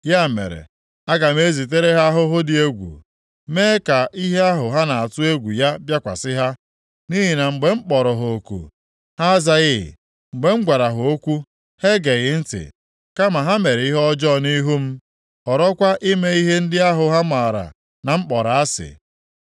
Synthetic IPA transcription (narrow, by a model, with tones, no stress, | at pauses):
ja˦˨mḛ˨ɾḛ˨ | a˦ɡa˨m˦e˦zi˨t̬e˦ɾe˦ɦa˦ɦʊ˦ɦʊ˦dɪ˨e˦ɡʷṵ˨ | me˦ka˨ʔi˦ɦe˦a˦ɦʊ˨ɦa˦na˨a˨tʊ˦e˦ɡʷu˨ja˦bja˦kʷa̰˨sɪ˦ɦa˦ | ni˦ɦi˨na˨ŋ͡m̩˨ɡ͡be˨ŋ͡m̩˦k͡pɔ˨ɾɔ˨ɦo˨o˨kṵ˨ | ha˦za˦ɣɪ̰˦˨ | ŋ͡m̩˨ɡ͡be˨˦ŋ͡m̩˦ɡʷa˨ɾa˨ɦʊ˨o˦kʷu˦ | he˦ɡe˨ɣɪ˨n̩˦tɪ̰˨ | ka˦ma˨ɦa˦me˨ɾe˨i˦ɦɔ˦d͡ʒɔ˦˨ni˦ɦu˦m̩˦ | ɔ˨ɾɔ˦kʷa˦ʔi˦me˦i˦ɦe˦n̩˦dɪ˦a˦ɦʊ˨ɦa˦ma˨ɾa̰˨ | na˨ŋ͡m̩˦k͡pɔ˨ɾa˨a˦sɪ̰˨